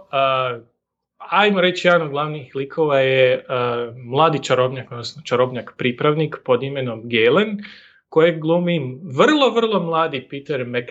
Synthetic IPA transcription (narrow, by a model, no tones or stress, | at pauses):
ajmoɾe̞t͡ʃjed̪noɡlˠaʋnixlikʰo̞ʋaje | mlˠaːd̪it͡ʃaɾobɲakod̪nosnot͡ʃaɾobɲakpɾiːpɾaʋnikpo̞d̪ime̞no̞mɡelen | kojeɡlˠuːmimʋrlˠo̞ʋr̩lˠo̞mlˠaːd̪ipit̪eɾmek